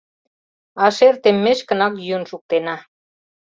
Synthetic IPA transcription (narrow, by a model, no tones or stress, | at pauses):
ɑʃert̪emːeʃkə̆nɑk̬jyənʃuk̚t̪enɑ